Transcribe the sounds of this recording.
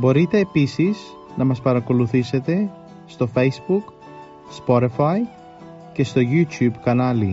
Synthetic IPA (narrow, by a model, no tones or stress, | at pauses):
bo̞ɾit̪e̞ːpisiz | nɐmɐspɐɾɐko̞luθise̞t̪e̞ | st̪o̞fe̞jzbuk | spo̞ɾifɐi | ce̞st̪o̞ʝut̪çubkɐnɐli